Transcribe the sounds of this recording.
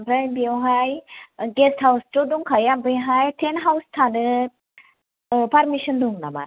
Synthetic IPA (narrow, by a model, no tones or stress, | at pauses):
mɾambiawɦajɡestʰhawstɔduŋkʰajambɯjɦajtʰenɦawstʰanɯ | paɾmisɔnduŋna̰ma̰